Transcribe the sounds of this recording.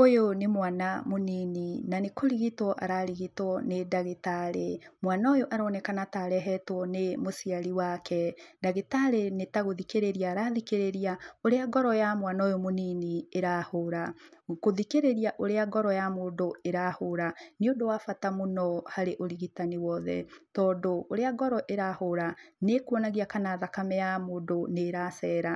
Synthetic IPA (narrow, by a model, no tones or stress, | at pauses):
ojonemwanamonininanekoɾiɣitwɔʔaɾaɾiɣitɔnedaɣetaɾḛmwanaojoʔaɾɔːnɛkanataɾɛɦɛtwɔnemosiaɾiwakʰɛdaɣetaɾenetaɣoðikeɾeɾijaːɾaːðikeɾeɾiaoɾeaɡɔɾɔjamwanaojomoninieɾahoɾakoðikeɾeɾiaʔoɾeaɡɔɾɔjamoːndoeɾahoɾaniodowafatamonɔhaɾeʔoɾiɣitaniwɔðɛ̰tɔːndoːɾeaɡɔɾɔʔeɾahoɾanekuɔnaɣiakanaːðakamɛjamoːdoneɾasɛːɾa